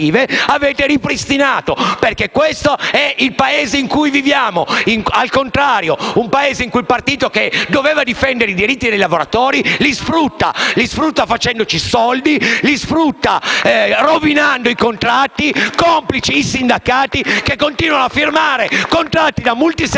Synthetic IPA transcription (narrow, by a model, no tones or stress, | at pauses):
iːveaveːt̪eɾipɾist̪inaːt̪operkekːwest̪oɛʔilpaeːzeiŋkujvivjaːmoiŋalkont̪ɾaːɾjoumpaeːzeiŋkuilpart̪iːt̪oked̪oveːvad̪ifɛnd̪eɾeid̪iɾit̪ːid̪ejlavoɾat̪oːɾilisfɾut̪ːa̰lisfɾut̪ːafat͡ʃɛnd̪ot͡ʃisɔld̪ilisfɾut̪ːarovinand̪oikont̪ɾat̪ːikomplit͡ʃiːsind̪akaːt̪ikekːont̪iːnwanoafːirmaːɾekont̪ɾat̪ːid̪amult̪is